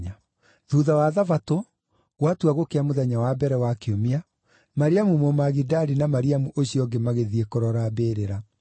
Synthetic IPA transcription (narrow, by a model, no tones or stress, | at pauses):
a | ðuðawaðavato | ɣwatuaɣokeamoðɛɲawabɛɾɛwakeomia | maɾiamumomaɣidaɾinamaɾiamuʔoɕiɔɡemaɣeðiekɔɾɔɾabeɾeɾa